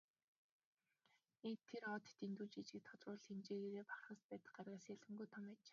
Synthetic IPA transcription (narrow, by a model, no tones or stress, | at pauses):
ent̪ʰːeɾɔt̪t̪int̪uːt͡ɕit͡ɕɪ̆k̚t̪ʰɔt͡s̪rʊːɮxemt͡ɕeːɣeɾeːpḁχχə̆spæːt̪ə̆χɢaːɾaːsæɮɘ̆ŋɡujt̪ʰɔmæːt͡ɕ̆ː